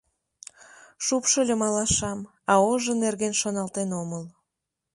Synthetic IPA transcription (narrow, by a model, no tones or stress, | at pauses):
ʃupʃəlʲemɑlɑʃɑm | ɑoʒənerɣenʃonɑlt̪enoməl